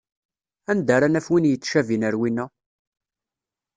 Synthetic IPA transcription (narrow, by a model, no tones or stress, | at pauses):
ænd̪aɾanæfwinjət͡sːʃævinəɾwinːæ